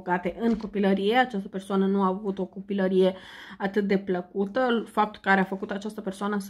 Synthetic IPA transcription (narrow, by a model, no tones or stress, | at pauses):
ɡat̪e̞ʔɨŋko̞piləɾije̞at͡ʃast̪əpe̞rsoanənuaːvut̪o̞ko̞piləɾije̞at̪ɨt̪̚d̪e̞pləkut̪əfap̚t̪u̥kaɾeafəkut̪at͡ʃast̪əpe̞rsoanəs